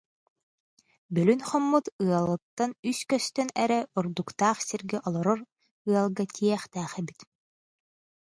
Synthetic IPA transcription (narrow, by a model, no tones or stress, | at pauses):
bœlynχɔmːut̪ɯɐlˠɯt̪ːanyskœst̪œnɛɾɛuɾd̪ukt̪aːχsiɾɡɛʔɔlˠɔɾɔɾ | ɯɐlˠɡat̪ʲʰiɛχt̪æːχɛbit̪